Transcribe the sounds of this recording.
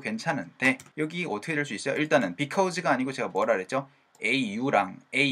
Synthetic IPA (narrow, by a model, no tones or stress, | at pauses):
kwe̞nt͡ɕʰanɯnde̞jʌɡiʌtʰɯkʰedeɭs̬͈uis͈ʌjoiɭt͈anɯnpikʰaud͡ʑiɡaːɲiɡot͡ɕe̞ɡamwʌɾaɾe̞t̚t͡ɕ͈o | e̞ijuɾaŋe̞